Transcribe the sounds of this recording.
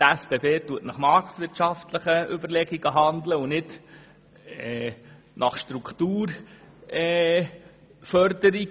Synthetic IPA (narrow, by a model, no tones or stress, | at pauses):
tæsb̥ebeːtuətnɑχmɑɾktʋɪɾtʃɑftləχəʏbəɾlɛɡiɡəɦɑnd̪ləunɪt | ɛ | nʔɑχʃtɾukt̪uːɾ | ɛ | fœɾdəɾiɡ